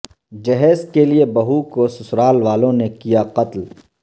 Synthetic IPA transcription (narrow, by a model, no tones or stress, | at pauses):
d͡ʒɐɦɛːskeliebɐɦukosʊsɾaːlʋaːlõnekijaqɐt̪l